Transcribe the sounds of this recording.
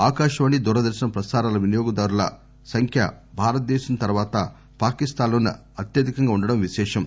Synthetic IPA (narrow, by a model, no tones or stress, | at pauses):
aːkaːʃɐʋɐnid̪uɾɐd̪ɐɾsinɐpɾɐsaːɾaːlɐʋinijoːɡɐd̪ɐɾulɐ̰ | sɐŋkʰjɐ̰ | bʱaːɾɐt̪̚d̪ɛːʃɐnt̪ɐɾʋaːt̪ɐ | paːkist̪aːnloːnɐ̰ | ɐt̪jɐd̪ikɐŋɡaːuɳɖɐɽɐmʋiʃɛːʂɐm